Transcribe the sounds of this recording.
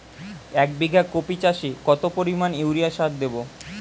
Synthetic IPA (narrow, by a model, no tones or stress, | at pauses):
ɛk̚biɡʱakopit͡ɕaʃikɔt̪opoɾimanewɾijaʃat̪̚d̪ebo